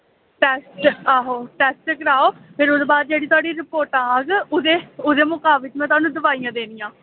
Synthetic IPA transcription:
ʈɛːsʈaːɦoːʈɛːsʈekəɾaːoːpʰɪɾʊd̪eːbaːd̪̚d͡ʒeːɽiːt̪ʊwaːɽiːɾɪpoːɾʈãːɦãːɡʊd̪eːʊd̪eːmʊkaːʋɪt̪mɛ̃ːt̪ʊaːnũːd̪əʋaːijãːd̪eːnijãː

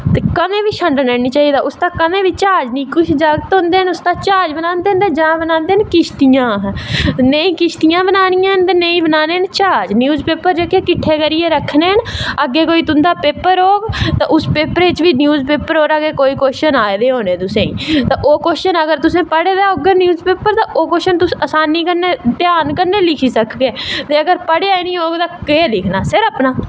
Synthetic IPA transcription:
t̪eːkənẽːʋiːʃʰə̃ɳɖənɛːnit͡ʃaːiːd̪aːʔʊst̪aːkənẽːʋiːt͡ʃaːd͡ʒnĩːkʊt͡ʃʰd͡ʒaːɡət̪ɦõːnd̪eːɦənʊst̪aːt͡ʃaːd͡ʒbənãːnd̪eːnt̪ẽd͡ʒãːbənãːnd̪eːənkɪʃt̪ijãːɦnəĩːkɪʃt̪ɪjãːbənaːnɪjãːnt̪eːneĩːbənaːneːənt͡ʃaːd͡ʒnjuːzpeːpəɾd͡ʒeːkeːkɪʈʰːeːkəɾɪjeːɾəkʰːneːənəɡːeːkoːiːt̪ʊnd̪aːpeːpəɾoːɡt̪ãʔʊspeːpəɾeɪt͡ʃʋiːnjuːzpeːpəɾoːɾəɡeːkoːiːkoːʃənaːed̪eːɦoːnẽːt̪ʊsẽːḭːt̪ãːʔoːkoːʃʃənəɡəɾt̪ʊsẽːpəɽeːd̪eːoːɡənjuːzpeːpəɾt̪ãːʔoːkoːʃənt̪ʊsəsaːnːiːkəɾneːt̪ɪjaːnkəɾneːlɪkʰiːsəkʰɡeːt̪eːəɡəɾpəɽeaːenĩːoːɡt̪ãːkelɪkʰnaːsɪɾəpnaː

